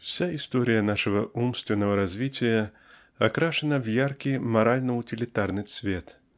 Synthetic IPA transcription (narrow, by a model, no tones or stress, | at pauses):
fsʲaɪst̪oɾʲɪjənaʂɨvəʔumst̪vʲɪnːəvəɾɐzʲvʲitʲɪjə | ɐkɾaʂɨnəvjarkʲɪjmɐɾalʲnəʊtʲɪlʲɪt̪arnɨsvʲe̞t̪